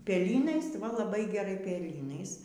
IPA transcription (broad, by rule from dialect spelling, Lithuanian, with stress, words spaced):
pʲɛˈlʲiːnɐɪs ʋɐ lˠɐˈbɐɪ ɡʲɛˈrɐɪ pʲɛˈlʲiːnɐɪs